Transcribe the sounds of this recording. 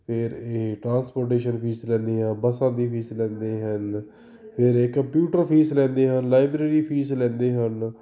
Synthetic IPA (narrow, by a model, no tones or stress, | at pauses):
pʰɪɾeːʈɾãːnspoːɾʈeːʃənpʰiːslɛ̃ːnd̪eːɦãbəsãːd̪iːpʰiːslɛ̃ːnd̪eːɦən | pʰɪɾeːkəmpjuːʈəɾpʰiːslɛ̃ːnd̪eːɦənlaːɪbɾeːɾiːpʰiːslɛ̃ːnd̪eːɦən